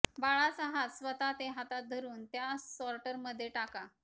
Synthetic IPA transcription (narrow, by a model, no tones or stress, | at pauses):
baɭasəɦasʋət̪at̪eɦat̪at̪̚d̪ʱəɾuːnt̪jasɔɾʈəɾməd̪ʱːjeʈaka